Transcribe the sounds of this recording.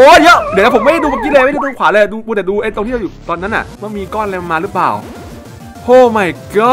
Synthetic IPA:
ʔoː˧˩jɤ˦˥ʔd̪t̪ʰːpʰo˩˦m˥˩ɾa˥˩duː˧ka˧˩ki˦˥˨leː˧mʰ˥˩˨i˥˩t̪ːŋkʰwaː˩˦əː˧jduː˧uː˧d̪ɛ˨˩duː˧ʔa˧˩jt̪o˧ŋtʰiː˥˩˧juː˨˩t̪ɔː˧nːa˦˥nʔa̰˨˩ʔma˥˩miː˧kɔː˥˩˨nla˧ma˧maː˧ɾɯ˦˥pla̰ː˨˩w | hoː˧˩ma˨˩jkə˦˥˩

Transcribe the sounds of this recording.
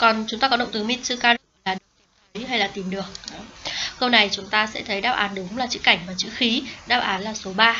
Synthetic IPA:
kɔ˨˩nt͡ɕʊ˨˦ŋ͡mt̪aː˧kɔ˨˦ə̰˧˨ŋ͡m̚t̪ɨ˨˦mi˧˥t̚sɨ̰˧kaː˧ɗlaː˨˩ɗə˧˨˦ɦa˧jlaː˨˩t̪i˨˩mɗɨ˨˩ək̚kə˧wna˨˩jt͡ɕʊ˨˦ŋ͡mt̪aː˧sɛ̰˧˥t̪ʰə˨˦jɗaː˧˥p̚ʔaː˨˦nɗʊ˨˦ŋ͡mlaː˨˩t͡ɕɨ̰˧˥ka˧˩jŋ̟vaː˨˩t͡ɕɨ̰˧˥xi˨˦ɗaː˦˧˥p̚ʔaː˨˦nlaː˨˩so˨˦ɓaː˧

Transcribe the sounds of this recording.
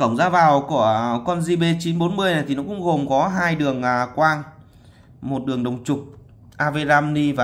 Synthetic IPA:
kə̰˧˩wŋ͡mzaː˧vaː˨˩wku˧˩əkɔ˧nzi˧ɓe˧t͡ɕi˨˦nɓo˨˦nmɨ˧əjna˨˩t̪ʰi˨˩nɔ˨˦kʊ̰˧˥ŋ͡mɣo˨˩mkɔ˨˦ɦaː˧jɗɨ˨˩əŋʔkwaː˧ŋ | mo˨˩t̚ɗɨ˨˩əŋɗə˨˩wŋ͡mt͡ɕʊ˨˩k͡p̚ | ʔaː˧ve˧zaː˧mni˧vaː˨˩

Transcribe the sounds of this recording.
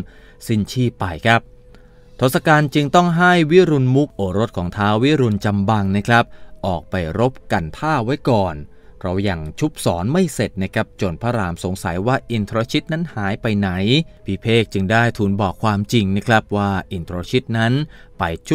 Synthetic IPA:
si˥˩nt͡ɕʰiː˥˩pa˧jkʰa˦˥p̚ | t̪ʰoː˨˩t̪̚sa˧kaː˧nt͡ɕɯ˧ŋt̪ɔ˥˩ŋɦa˥˩jwi˦˥ɾu˧nmu˦˥k̚ʔoː˨˩ɾo˦˥t̪̚kʰɔː˩˦ŋt̪ʰaː˦˥wwi˦˥ɾu˧nt͡ɕa˧mba˧ŋna˦˥kʰɾa˦˥p̚ʔɔː˨˩k̚pa˧jɾo˦˥p̚ka˧nt̪ʰaː˥˩wa˦˥jkɔː˨˩n | pɾa˧wja˨˩ŋt͡ɕʰu˦˥p̚sɔː˩˦nma˥˩jse˨˩t̪̚na˦˥˩kʰɾa˦˥p̚t͡ɕo˨˩npʰaː˧˥ɾaː˧˩mso˩˦ŋsa˩˦jwaː˥˩ʔi˨˧nt̪ʰɾoː˧t͡ɕʰi˦˥t̪̚na˦˥nhaː˩˦jpa˧jna˩˦jpʰiː˧˩pʰeː˥˩k̚t͡ɕɯ˧ŋdaː˥˩jt̪ʰuː˨˧nbɔː˨˩kʰwaː˧mt͡ɕi˧ŋna˦˥kʰɾa˦˥p̚waː˥˩ʔi˨˧nt̪ʰɾoː˧t͡ɕʰi˦˥t̪̚na˦˥npa˧jt͡ɕʰ

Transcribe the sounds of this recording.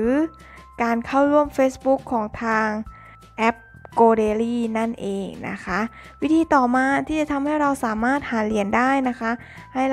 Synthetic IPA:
ɯː˩˦ | kaː˧nkʰa˥˩wɾu˥˩əmfeː˦˥sbu˦˥kʰːɔː˩˦ŋt̪ʰaː˧ŋ | ʔɛ˦˥p̚ | koː˧deː˧liː˥˩na˥˩nʔeː˨ŋna̰˦˥kʰa˦˥ʔwi˦˥t̪ʰiː˧t̪ɔː˨˩maː˧t̪ʰiː˥˩t͡ɕa˨˩t̪ʰa˧mha˥˩jɾa˧wsaː˨˩˦maː˥˩t̪̚haː˩˦li˨˩˦əndaː˥˩jna˦˥kʰa˦˥ʔ | ha˥˩j

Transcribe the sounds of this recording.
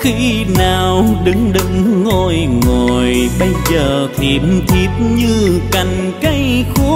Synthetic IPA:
xi˧ | naː˨˩wɗɨ˨˦ŋɗɨ˨˦ŋːo˧˩jŋo˨˩jɓə˧jzəː˨˩t̪ʰi˨˩mt̪ʰi˨˩t̚ɲɨ˧ka˨˩jŋ̟ | ka˧˦jxu˦

